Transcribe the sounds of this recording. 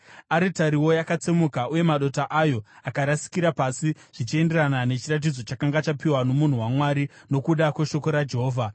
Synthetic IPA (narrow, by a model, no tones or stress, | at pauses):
aɾitaɾiwo̞jakat͡semukauje̞maɗo̞taʔajo̞akaɾasi̥kiɾapasiʐ̥it͡ʃie̞nde̞ɾanane̞t͡ʃirat̬id͡zo̞t͡ʃakaŋɡat͡ʃapiwano̞mun̤uwamwaɾino̞kuɗakweʃo̞ko̞ɾad͡ʒe̞ɦoːvʱa